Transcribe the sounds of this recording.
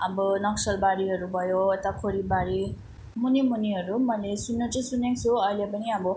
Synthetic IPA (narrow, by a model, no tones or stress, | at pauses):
abɯnɔksɔlbaɾiɐɾubajotakʰoɾibaɾi | munimuniɐɾumalisunːad͡ʒisuneŋsuajlebaniabu